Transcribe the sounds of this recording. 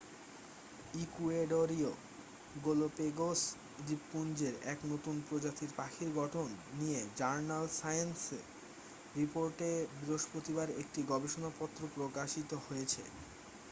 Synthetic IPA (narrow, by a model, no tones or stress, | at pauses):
ikueɖoɾio | ɡolopeɡos | d͡ʑipːund͡ʑeɾɛknot̪unpɾod͡ʑat̪iɾpakʰiɾɡʱɔʈʰonːijed͡ʑaɾnalsajense | ɾipoɾʈebɾoʃpɾot̪ibaɾek̚ʈiɡɔbeʃonapɔt̪ːɾopɾokaʃit̪ohojet͡ɕʰḛ